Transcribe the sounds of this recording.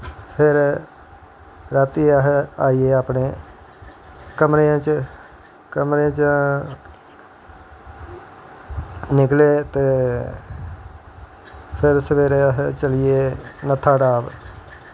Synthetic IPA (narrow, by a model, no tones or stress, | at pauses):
pʰɪɾ | ɾət̪iːəɦaːiːeːaːpneː | kəmɾeãːt͡ʃ | kəmɾẽːt͡ʃ | nɪkleːt̪eː | pʰɪɾsəʋeːɾeːəɦt͡ʃəlɪeːnət̪ʰːaːɖaːb